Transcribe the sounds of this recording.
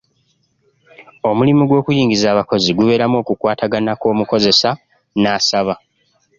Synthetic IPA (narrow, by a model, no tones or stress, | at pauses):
o̞mulimuɡwo̞ːkujiːŋɡizaːβako̞ziɡuβe̞ːɾamo̞ːkukwaːtaɡanako̞ːmuko̞ze̞sa | naːsaβa